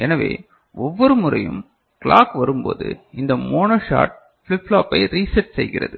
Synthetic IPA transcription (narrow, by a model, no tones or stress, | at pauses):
ɛnɐʋḛː | ɔʋːɔɾɯmʊrɐjɯm | kɭaːkʋɐɾɯmpo̰ːðɯ̰ɪnd̪ɐmoːnoʂa̰ːʈ̚ | fɪlɪflaːpːɐɪɾiːsɐʈsɛ̰jɣɪɾɐ̰ðɯ